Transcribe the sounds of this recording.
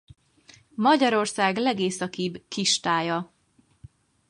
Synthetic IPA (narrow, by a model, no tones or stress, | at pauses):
mɒɟɒɾo̞rsaːɡlɛɡeːsɒkibkiʃt̪aːjɒ